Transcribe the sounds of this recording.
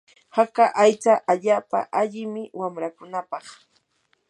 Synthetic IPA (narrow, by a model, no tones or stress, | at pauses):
hakaʔajt͡saʔaʎaːpa̰ʔaʎɪmɪwamɾakʊnapɑχ